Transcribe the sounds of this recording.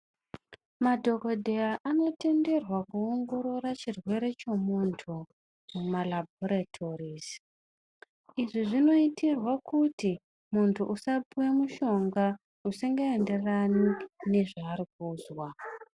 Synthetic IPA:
madʱo̞ko̞dʱe̞jaʔano̞te̞nde̞rwakuoŋɡo̞ɾo̞ɾat͡ʃirwe̞ɾe̞t͡ʃe̞muntʰu | mumalabʱoɾatʰo̞riz | iʐiʐino̞itirwakuti | muntʰuʔusapuwemuʃo̞ŋɡa | usiŋɡae̞nde̞ranine̞ʐaːɾik̚uːzwa

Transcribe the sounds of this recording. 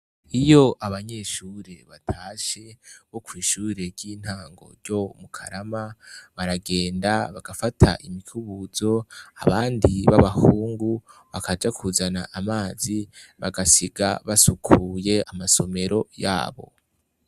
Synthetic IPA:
ijo̞ʔaβaɲe̞ʃuːɾe̞βatʰaːʃe̞βokwiːʃuːɾe̞ɾɟiːn̥haːŋɡo̞̰ɾɟo̞mukʰaɾamaβaɾaɡe̞ːndaβaɡ̥afatʰa̰ʔimikʰuβuzo̞a̰βaːndiβaβahuːŋɡuβakad͡ʒakʰuzanaʔamaːziβaɡasiɡaβasukʰuje̞amaso̞me̞ɾo̞ja̰ːβo̞̰

